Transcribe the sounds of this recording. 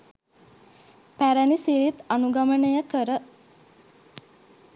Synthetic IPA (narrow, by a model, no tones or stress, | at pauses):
pæɾænisiɾit̪anuɡamənəjəkəɾə